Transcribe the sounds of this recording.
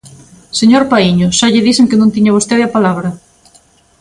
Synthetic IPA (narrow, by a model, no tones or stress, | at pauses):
seɲoɾpaiɲoʃaʎɪðiseŋkɪnõnt̪iɲaβ̞ost̪eðɪapalaβɾɐ